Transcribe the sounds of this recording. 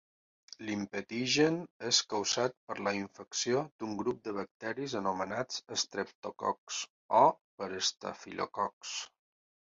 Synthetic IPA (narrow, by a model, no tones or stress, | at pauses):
limpət̪iʒəneskəwzat̪̚pəɾləiɱfəksiod̪uŋɡɾup̚d̪əβ̞ək̚t̪ɛɾizənumənad͡zəst̪ɾəp̚t̪okɔ̰ks | ɔpəɾəst̪a̰fḭlo̰kɔks